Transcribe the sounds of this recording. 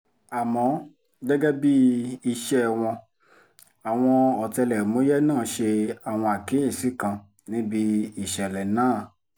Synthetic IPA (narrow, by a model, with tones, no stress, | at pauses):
a˨mɔ̃˨˦ | dɛ˦ɡɛ˦bi˦i˧ʃɛ˧˨w̃ɔ̃˧ | a˨w̃ɔ̃˧ɔ˨tɛ˧lɛ˨mo˨˦jɛ˦nãː˦˨˦ʃe˧a˨w̃ɔ̃˧a˨kĩ˨˦ĩ˦˨si˨˦kã˧ | nĩ˦bi˧i˨ʃɛ˨lɛ˨nãː˦˨